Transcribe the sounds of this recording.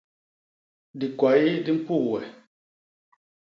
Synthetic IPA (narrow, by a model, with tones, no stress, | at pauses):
di˨kwa˨ji˦di˦m̩˦pu˦˨wɛ˨